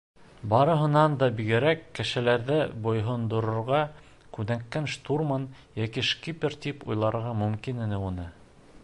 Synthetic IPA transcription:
bɑɾɤ̆ɦɤ̆nɑnd̪ɑbiɡɘ̆ɾækːɘ̆ʃɘ̆læɾðɘbŏjɦŏnd̪ŏɾŏɾʁɑ | kʉðæŋkːænʃt̪urmon | jækiʃkipʲɘɾt̪ipujlˠɑɾʁɑmɵ̆mkinɘ̆nɘunɤ

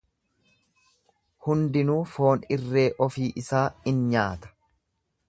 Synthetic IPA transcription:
hʊnd̪ɪnuːfo̞ːnɪrːe̞ːʔɔfiːʔɪsaːɪnɲaːt̪ɐ̥

